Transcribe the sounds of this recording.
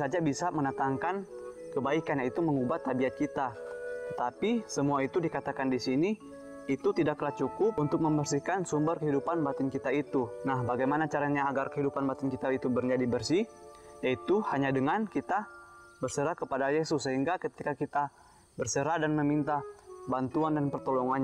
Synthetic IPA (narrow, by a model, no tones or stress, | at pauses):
sad͡ʒabisamənət̪aŋkan | kəbaikanjait̪uməŋubat̪ːabiat̪̚kit̪at̪ət̪apisəmuait̪udikat̪akandisiniː | t̪ut̪idakːəlat͡ʃukʊpunt̪ʊk̚məmbərsikansumbərkəɦidupanbat̪ɪnkit̪ait̪unahbaɡajmanat͡ʃaɾaɲaːɡarkəɦidupanbat̪ɪnkit̪ait̪ubərd͡ʒadibərsijait̪uhaɲadəŋankit̪a | bərsəɾakəpadajesʊsːəɦiŋɡakət̪ikakit̪a | bərsəɾadanməmint̪abant̪uandanpərt̪oloŋaɲ